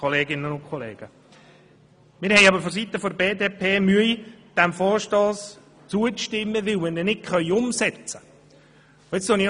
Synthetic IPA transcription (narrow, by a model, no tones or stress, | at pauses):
ɔleːɡɪnənʊnkʰɔlḛːɡ̥ə | mɪːɾhɛjɑbəɾfɔs̬it̪əfɔdəbeːdeːpʰeːmyəjd̥æmfɔːɾʃtɔːs | t͡suəʃtɪmːəʋɪlmɪnɛnɪkχœʏʊmsɛt͡sə | oɪt͡ssoni